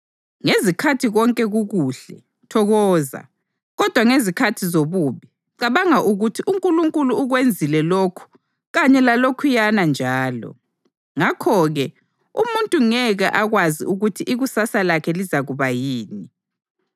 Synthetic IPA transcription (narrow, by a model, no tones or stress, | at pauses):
ŋezikʰatʰiɣɔŋkʼɛɣuɣuɬɛ̰ | tʰɔɣɔːza̰ | ɣɔd̥ʱwaŋezikʰatʰizoβuːβi | ǀaβaŋaʔuɣutʰiʔuŋkʼuluŋkʼuluːɣwend͡zʱilɛlokʰu̥ | ɣaɲɛlalokʰujanand͡ʒʱaːlɔ̰ | ŋakʰɔɣɛ | umuntʼuŋɛɣaʔaɣwazḭuɣutʰiʔiɣusasalakʰɛlizaɣuβajiːni